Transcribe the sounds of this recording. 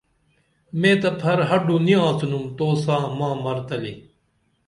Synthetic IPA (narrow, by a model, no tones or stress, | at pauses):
mẽːt̪ɐpʰɐɾɦɐɖuniãːt͡sʰunumt̪oːsãːmãːmɐɾt̪ɐlḭ